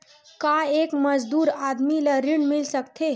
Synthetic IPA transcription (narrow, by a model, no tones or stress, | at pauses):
kaekməd͡ʒd̪uːɾad̪miləɾiɽmilsəkt̪ʰe